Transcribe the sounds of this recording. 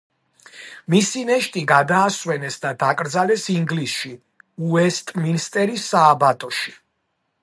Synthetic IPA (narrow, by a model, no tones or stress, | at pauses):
misinɛʃt̪ʼiɡad̪aːswɛnɛsd̪ad̪akʼɾd̪zalɛsiŋɡlisʃi | uɛst̪ʼminst̪ʼɛɾisaːbat̪ʼɔʃi̥